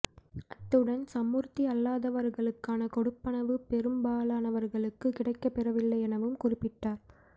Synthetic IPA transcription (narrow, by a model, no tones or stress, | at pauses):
ʔɐt̪ːɯɽɐnsɐmuːɾt̪iɐlːaːðɐʋɐɾɣɐɭɯkːaːnɐkɔɽɯpːɐnɐʋɯpɛɾɯmbaːlaːnɐʋɐɾɣɐɭɯkːɯkɪɽɐɪkːɐpːɛrɐʋɪlːɐɪɛnɐʋɯmkʊrɪpːɪʈːaːɾ